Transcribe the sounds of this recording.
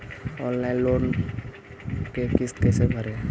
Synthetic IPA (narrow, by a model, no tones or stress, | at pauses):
ɔːnlaɪnloːn | kekɪst̪kɛːsebʱəɾẽ